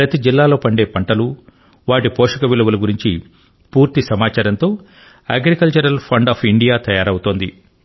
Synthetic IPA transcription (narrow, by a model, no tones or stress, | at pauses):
pɾɐt̪id͡ʒilːaːlo̞ːpɐɳɖe̞ːpɐɳʈɐlu | ʋaːʈipoːʂɐkɐʋiluʋɐlɐɡuɾiɲt͡ʃi | puːɾt̪isɐmaːt͡ʃaːɾɐnt̪o̞ː | a̰ːɡɾikɐlt͡ʃɐɾɐlpʰɐɳɖaːpʰiɳɖijaːt̪ɐjaːɾɐwut̪oːnd̪i